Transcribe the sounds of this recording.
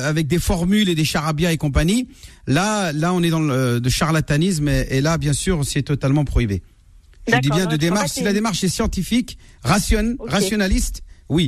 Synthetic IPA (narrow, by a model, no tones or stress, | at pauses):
avɛk̚d̪efɔʁmyled̪eʃaʁabjaekɔ̃p̬aɲilalaɔ̃nɛd̪ɑ̃lød̪əʃaʁlat̪anis̬melabjɛ̃syʁsɛt̪ɔt̪almɑ̃pχɔibe | ʒəd̪ibjɛ̃d̪əd̪emaʁʃsilad̪emaʁʃɛsjɑ̃t̪ifik | ʁasjɔnʁasjɔnalist̪wi